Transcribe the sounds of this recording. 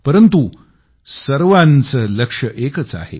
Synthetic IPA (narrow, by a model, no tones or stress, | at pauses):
pəɾənt̪u | səɾʋant͡sələkʂəʔekət͡sa̰hḛ